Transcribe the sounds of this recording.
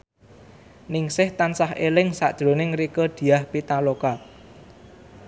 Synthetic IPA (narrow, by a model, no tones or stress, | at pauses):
nɪŋsɪht̪ansahʔelɪŋsa̰ʔd̥ʒ̥ɾo̤nɪŋrikəd̪̥i̤ahpit̪aloka